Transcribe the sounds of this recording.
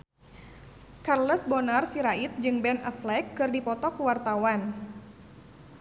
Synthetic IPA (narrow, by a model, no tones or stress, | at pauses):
karləsbɔnarsiɾait̪̚d͡ʒɨŋbɛnaflɛkːɨrdipɔt̪ɔkuwart̪awan